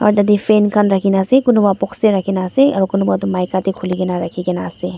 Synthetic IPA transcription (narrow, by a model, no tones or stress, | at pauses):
ɔ̰ɾt̪ɐd̪ifenkʰanɾɐkʰinasekʊnubapɔkseɾɐkʰinaseɔɾkʊnubat̪umaːjkat̪ikʰʊliɡenaɾɐkʰikenase